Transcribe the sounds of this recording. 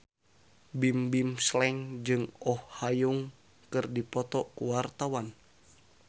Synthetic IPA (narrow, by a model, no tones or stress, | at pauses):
bimbimslɛŋd͡ʒɨŋɔhːajuŋ | kɨrdipɔt̪ɔkuwart̪awan